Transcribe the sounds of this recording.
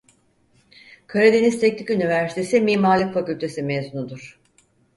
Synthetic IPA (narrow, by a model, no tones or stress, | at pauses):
kʰaɾed̪e̞nist̪ʰɛc̚nʰʲikynivæɾsi̥t̪ʰe̞simiːmaːlʲˠikfacylʲt̪ʰe̞simezunud̪uɾ̥